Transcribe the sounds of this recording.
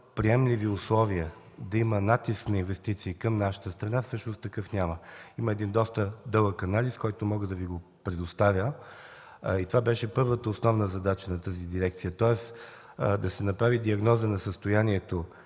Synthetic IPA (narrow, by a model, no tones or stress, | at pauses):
pɾiɛmliviʊslˠɔviə | d̪ɐimənat̪isknɐinvɛst̪it̪siːkɐmnaʃə̥t̪əst̪ɾɐnafsɤʃnost̪t̪ɐkɤfnʲaməiməɛd̪ind̪ɔst̪əd̪ɤlˠəkɐnaliskɔjt̪omɔɡəd̪ɐviɡopɾɛd̪ost̪avʲjə | it̪ovabɛʃɛpɤɾvət̪əosnɔvnəzɐd̪at͡ʃənɐt̪əzid̪iɾɛkt̪sijət̪ɔɛs | d̪ɐsɛnɐpɾavid̪iɐɡnɔzənɐsəst̪ojanʲiɛt̪o